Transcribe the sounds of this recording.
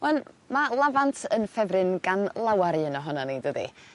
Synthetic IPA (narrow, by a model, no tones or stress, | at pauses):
wɛn | malˠavantʰənfɛvrɨnɡanlˠawaɾiənɔɦɔnɔnidədḭ